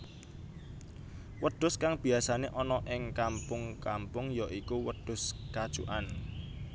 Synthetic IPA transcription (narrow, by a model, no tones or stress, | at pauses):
wəɖ̥ʊ̤skaŋb̥i̤asaneʔɔnɔʔɪŋkampʊŋkampʊŋjɔʔikuwəd̥ʊ̤skad̥ʒ̥ṵʔan